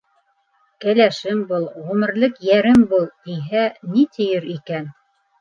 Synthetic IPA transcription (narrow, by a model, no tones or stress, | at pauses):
kælæʃɘmbɤlˠʁʉmɘ̆ɾlɘkjæɾɘmbɤlˠt̪iɦænit̪ʰɘ̆jɘɾikæn